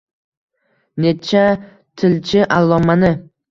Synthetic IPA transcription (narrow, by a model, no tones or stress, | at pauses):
net͡ʃʰa | t̪ʰɪlt͡ʃʰɪʔalˠːɒmanɪ